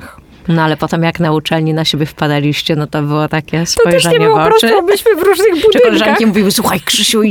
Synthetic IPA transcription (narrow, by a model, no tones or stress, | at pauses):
nɔalɛpɔt̪ɛmjaknaut͡ʂɛlɲinaɕebʲjɛfpad̪alʲiɕt͡ɕɛnɔt̪ɔbɘwɔt̪akʲɛst̪ɔjʐɛɲɛvɔɔpɾɔsbɘɕmɘvɾuʐnɘxbukɔlɛʐankkʲimuvʲiwɘswuxajkʂɘɕu